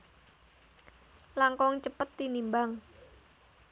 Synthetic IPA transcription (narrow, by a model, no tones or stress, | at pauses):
laŋkɔŋt͡ʃəpət̪ːinimbaŋ